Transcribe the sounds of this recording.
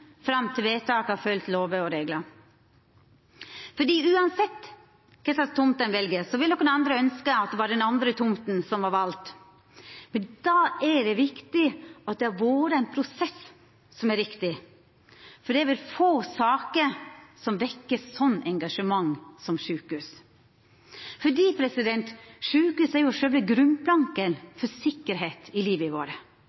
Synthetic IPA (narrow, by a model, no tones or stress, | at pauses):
fɾɑmːt̪ʰɪlʋeːt̪ʰɑːkɑfœlt̪loːʋəɔɾeːɡlə | fɔɖiːʉːɑnsɛt̪ː | kʰɛsɑst̪ʊmt̪ənʋɛlɡəsɔʋɪlnɔkənɑnd̪ɾəœnskəɑt̪̚d̪ɛʋɑːɖɛnɑnd̪ɾət̪ʰʊmt̪n̩sɔmʋɑɾʋɑlt̪ | mɛnd̪ɑːæɖɛʋɪkt̪ɪɑt̪̚d̪ɛæɾʋoːɾəæɪnpʰɾʊsɛs | sɔmæɾːɪkt̪ɪ | fɔɖɛæʋɪlfoːsɑːkəɾsɔmʋɛkːəsɔnːɛŋɡɑʂəmɑŋːsɔmʂʉːkʉːs | fɔɖiːpʰɾɛsɪd̪ɛnt̪ʂʉːkʉːsæɾjʊʂɛlʋəɡɾʉmplɑŋkənfɔsɪkːəɾɦeːt̪ɪliːʋəɪʋoːɾə